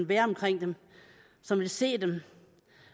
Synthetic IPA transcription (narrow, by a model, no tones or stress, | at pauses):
nʋæːɐɒ̽mkʰʁeŋ̰d̥em | sɒ̽mʋelse̝̰ːd̥em